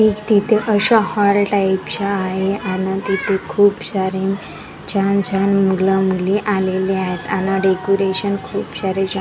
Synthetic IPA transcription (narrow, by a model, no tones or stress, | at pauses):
ekt̪it̪ʰeʔəɕahɔɾʈaipɕaːɦeanat̪it̪ʰekʰuːpsaɾẽn | t͡ɕant͡ɕanmuɡlamuliʔaleliaɦet̪anaɖekoɾeɕənkʰuːpsaɾed͡ʑa